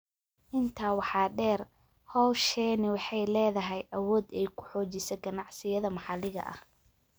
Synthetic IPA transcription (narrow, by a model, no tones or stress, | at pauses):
ʔɪnt̪ʰaːwɑħɑːɖɛːr | hɔːʃɛːnɪwɑħɑjlɛːðɐɦɛjʔɐwɔːd̪ɛjkʰʊ̥ħɔːt͡ʃɪsɛɡɐnɑʕsɪjɐðɐmɑħɑlɪɣɐ̰ʔɐ̰h